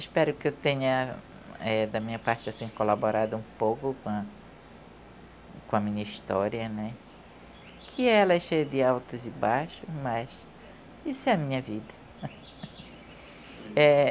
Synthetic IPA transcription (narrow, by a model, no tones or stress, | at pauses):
ɪspɛɾʊkɪewt̪ẽɲɐ | ɛd̪ɐmĩɲɐpaɾt͡ʃɪasĩkolaboɾad̪ʊũpowkʊkõ | kõɐmĩɲɐist̪ɔɾiɐnɛ | kʰɪɛlɐɛʃejɐd̪ɪawt̪ʊzɪbajʃʊmɐs | isʊɛɐmĩɲɐvid̪ɐ | ɛ